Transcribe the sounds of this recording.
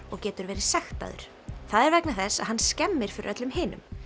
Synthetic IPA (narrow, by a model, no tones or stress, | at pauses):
ɔɣcɛːt̪ʏɾvɛːɾɪ̥sɛxt̪a̰ðʏ̰ɾ̥ | θaðɛɾvɛknaθɛsːaðhɦanːscɛmːɪɾ̥fɪɾɪ̰ɾʔœt̪lʏmɦɪːnʏ̰m